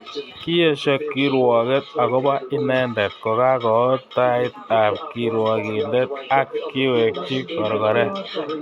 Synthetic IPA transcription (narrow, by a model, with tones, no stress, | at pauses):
ki˦e˦ʃɔ˨kːiɾwɔː˨ke˦t̪̚a˨ɣɔ˦ba˦i˦nɛ˦ndɛ˨t̪̚kɔ˨ka˦kɔ˨taitap̚kiɾwɔ˨ɡi˨nde˦t̪̚a˦kːi˦we˨k̚t͡ʃi˦kɔ˨ɾɡɔ˨ɾɛ˦